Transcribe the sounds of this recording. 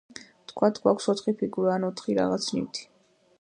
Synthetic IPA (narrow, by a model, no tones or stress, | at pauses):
t̪ʰkʰwat̪ʰɡwakʷʰsɔt̪χipʰiɡuɾaːnɔt̪ʰχiɾa̰ʁat̪sʰnḭwt̪ʰi̥